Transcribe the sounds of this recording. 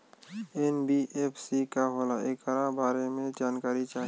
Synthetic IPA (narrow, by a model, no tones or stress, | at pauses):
enbiʔepʰsikaɦolaekaɾabaːɾemẽd͡ʒaːnkaːɾit͡ʃaːɦ